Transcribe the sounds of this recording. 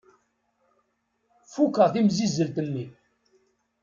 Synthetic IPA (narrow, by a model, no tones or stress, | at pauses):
fukəʁθimzizːəlt̪ənːi